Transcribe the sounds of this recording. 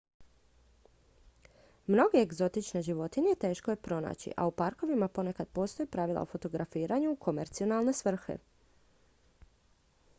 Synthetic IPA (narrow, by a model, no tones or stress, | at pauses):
mno̞ɡeeɡzo̞t̪it͡ʃneʒiʋo̞t̪iɲejet̪e̞ːʃko̞jepɾo̞na̰ːt͡ɕḭʔa̰upaɾko̞ʋimapo̞ne̞kad̪̚po̞ːst̪o̞jipɾaʋilˠa̰ofo̞t̪o̞ɡɾafiːɾaɲukʰo̞me̞ɾt̪sio̞nalˠne̞sʋr̩xḛ